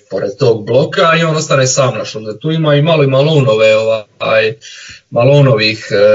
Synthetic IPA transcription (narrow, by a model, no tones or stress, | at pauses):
poɾed̪̚t̪o̞ːɡ̚blˠo̞kaio̞ːnost̪anesaːmnaʃond̪at̪uːimaːimaloimalˠuːno̞ʋeoʋajmaluːnoʋix